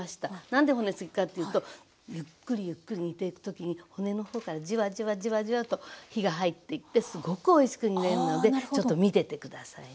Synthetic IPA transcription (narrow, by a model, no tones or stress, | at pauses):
aɕi̥t̪anãnd̪e̞ho̞ne̞sɨɡʲi̥kat̪ːe̞jɯːt̪o̞ | jɯ̟kːɯ̟ɾʲijɯ̟kːɯ̟ɾʲiɲ̟it̪e̞ikɯ̥t̪o̞kʲiɲ̟iho̞ne̞no̞ho̞ːkaɾad͡ʑiβaʑiβaʑiβaʑiβat̪o̞çiɡaɦait̪ːe̞it̪ːe̞sɨɡo̞kɯo̞iɕi̥kɯ̟ɲ̟ineonːano̞d̪et͡ɕo̞t̪ːo̞mʲit̪e̞t̪e̞kɯ̟d̪asa̰i